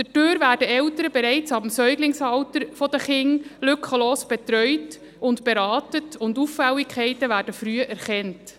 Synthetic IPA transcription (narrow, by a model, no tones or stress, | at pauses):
d̥ɛtøːɾʋæːɾdəɛltəɾəbeɾɛɪt͡sɑbm̩sœʏɡlɪŋsɑltəɾfɔd̪əχɪŋlʏkχəloːsb̥etɾœʏt | ʊntb̥eɾɑːtətʊnduffɛlːikʰχɛɪtəʋæːɾd̥əfɾyːəʔæɾχɛnt